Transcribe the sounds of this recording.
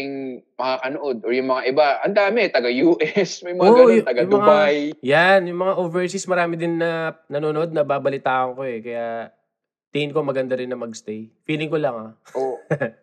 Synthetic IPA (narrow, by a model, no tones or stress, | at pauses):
ɪŋmɐkakɐnoʔod̪̚ojʊŋmɐŋaʔɪbaʔɐnd̪aːmɛt̪ɐɡajuːʔɛsmɐjmɐaoɡɐjt̪ɐɡaŋmmɐŋbaajjanjʊŋmɐŋaʔoːvɛɹsɪsmɐɾaːmɪd̪ɪnːɐnɐnoːnoʔo̞d̪̚nɐbaːbɐlɪt̪aːʔɐŋko̞ɛkɐja | t̪iɪnko̞mɐɡɐnd̪ɐɾɪnːɐmɐɡst̪ejfiːlɪŋkolɐŋao